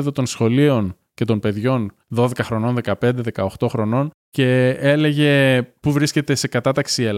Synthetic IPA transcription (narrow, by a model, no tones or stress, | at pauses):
ðot̪o̞nsxo̞lio̞n | ce̞t̪o̞npe̞ðʝo̞n | ðo̞ðe̞kɐxɾo̞no̞nðe̞kɐpe̞nd̪e̞ðe̞kɐo̞xt̪o̞xɾo̞no̞n | ce̞e̞le̞ʝe̞puvɾisce̞t̪e̞se̞kɐt̪ɐt̪ɐksiel